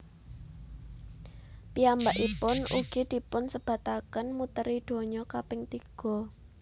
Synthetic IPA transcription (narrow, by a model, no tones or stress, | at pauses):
piambaʔipʊnuɡ̥i̤d̪̥i̤pʊnsəb̥a̤t̪akənmut̪əɾid̪̥o̤ɲɔkapɪŋt̪iɡ̥ɔ̤